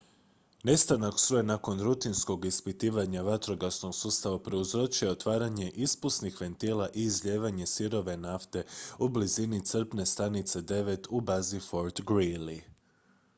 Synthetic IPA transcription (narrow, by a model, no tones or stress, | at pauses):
ne̞st̪anaksɾujenako̞nɾut̪insko̞ɡispit̪iːʋaɲaʋat̪ɾo̞ɡasno̞ɡsuːst̪aʋapɾe̞uzɾo̞t͡ʃujeot̪ʋaːɾaɲe̞ʔispusnixʋe̞nt̪iːlaʔiːzʎeːʋaɲe̞siɾo̞ʋe̞naft̪e̞ublizinit̪sr̩pne̞st̪anit̪se̞d̪e̞ʋe̞t̪ubazifo̞ɾt̪ɡɾili